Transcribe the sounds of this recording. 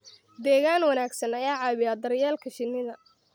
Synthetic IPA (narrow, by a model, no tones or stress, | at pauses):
d̪ɛːɣaːnwɐnaːɡsɐnɐjaːʕɑːβɪjaːd̪ɐrjaːlkʰɐʃɪnːɪðɐ